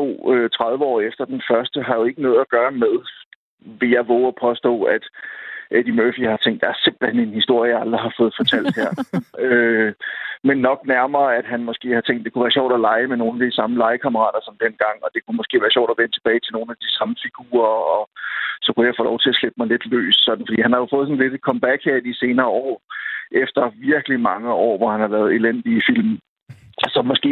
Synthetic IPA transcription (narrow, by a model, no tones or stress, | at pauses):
o̝̰ːøt͡sʰʁɑ̈ð̞ˠʋəɒ̰ːefd̥ɐd̥enfɶɐsd̥əɦɑ̈jo̝e̝ɡ̥ənɔ̽ːð̞̩ˠæɡ̥ɶːɐmeðˠ | ʋe̝jɑ̈ɪʋɔʊɒpʰɒ̽sd̥ɔ̰̽ːæd̥ed̥imøfihɑ̈t͡sʰeŋ̰d̥jɑ̈æɐse̝mb̥l̩henenhisd̥o̝ɐ̰jəæld̥ʁiɦɑ̈fɔ̽ːð̩ˠfɒ̽t͡sʰæl̰d̥heɐ̰ø | menːɒ̽ɡ̥næɐmɐːæd̥ɦænmɒsɡ̥e̝̰ːhɑ̈t͡sʰeŋ̰d̥e̝kʰuʋæːɐɕɒ̰ʊ̰d̥ɒlɑ̈ɪəmeno̝ːn̩æd̥isɑ̈məlɑ̈ɪəkʰæməʁɑ̰̈ːd̥ɐsɒ̽md̥en̰ɡ̥ɑ̈ŋ̰ɒ̽d̥e̝kʰumɒsɡ̥e̝̰ːʋæːɐɕjɒ̰ʊ̰d̥ɒʋenət͡sʰe̝b̥ɛːɪt͡sʰe̝lno̝ːn̩æd̥isɑ̈məfiɡ̥ṵːɐɒ̽sɒ̽kujɑ̈ɪfɔ̰ːlɒʊt͡sʰe̝æsleb̥̚mɑ̈ɪle̝d̥lø̰ːssɒ̽d̥n̩fɒd̥ḭːhænhɑ̈jo̝fɔ̽ːðˠs̬ɒ̽n̩le̝d̥kʰɒ̽mb̥æɡ̥heɐ̰dise̝ːnɐːɒ̰ːʔefd̥ɐʋiɐɡ̥əlimɑ̈ŋəɒ̰ːʋɒhænhɑlɛːð̩ˠe̝len̰d̥ifil̰m | sɒ̽mːɒ̽sɡ̥e̝̰ː